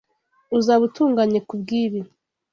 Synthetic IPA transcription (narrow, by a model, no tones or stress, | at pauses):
uzaβutuːŋɡaɲekubɡiːβi